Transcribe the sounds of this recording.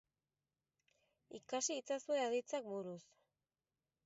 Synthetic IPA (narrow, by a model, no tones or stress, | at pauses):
ikasiːt͡sasue̞aðit͡sak̚buɾus